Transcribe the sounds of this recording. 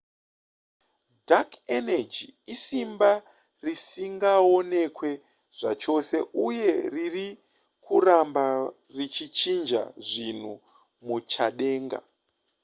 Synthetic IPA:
dakʰened͡ʒiisimba | risiŋɡao̞ne̞kwe̞ | ʐ̥at͡ʃo̞se̞ʔuje̞riri | kʰuramba | rit͡ʃit͡ʃind͡ʒa̰ʐin̤u | mut͡ʃaɗe̞ːŋɡa̰

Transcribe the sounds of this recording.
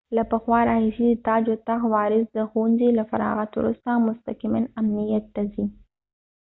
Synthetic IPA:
lapəxwɑɾɑhɪʃidt̪ɑd͡ʒot̪axwɑɾɪsd̪əxunzilafa̰ɾɑ̰ɣat̪wɾṵst̪amʊst̪akimanamnijat̪ːazi

